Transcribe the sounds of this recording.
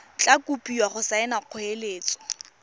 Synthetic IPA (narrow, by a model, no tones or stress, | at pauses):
t͡ɬʼakʼupʼiwaχʊsaɪnaq͡χʰʊeleːt͡sʼɔ̥